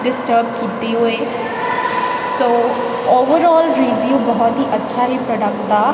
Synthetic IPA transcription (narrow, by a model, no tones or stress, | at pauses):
ɖɪsʈəɾb̚kiːt̪eɦʊeː | soː | oːʋəɾɔːlɾiʋjuːbɔɦɔt̪ɦiʔɐtːʃʰaɦipɾɔːɖək̚ʈd̪aː